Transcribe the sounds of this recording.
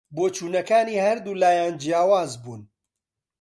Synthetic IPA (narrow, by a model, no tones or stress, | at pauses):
boːt͡ʃuːnɐkaːniːhɐɾd̪uːlaːjaːnd͡ʒijaːwaːzbuːn